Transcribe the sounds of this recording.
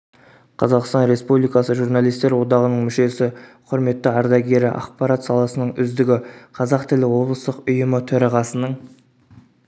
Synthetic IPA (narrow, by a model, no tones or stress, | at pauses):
qʰɑzɑqst̪ɑnɾe̞spublˠijkɑsəʒuɾnalˠijst̪e̞ɾwo̞d̪ɑʁənəɴmʏʃe̞sɪqʰʊɾme̞t̪ːəɑɾd̪ɑɡʲe̞ɾɪʔɑ̰q̚pɑɾat̪sɑlˠɑsənəɴʏzd̪ɪɡʲɪqʰɑzɑqt̪ʰɪlɪwo̞blˠəst̪əqʊjəmət̪ʰɵɾɑʁɑsənəɴ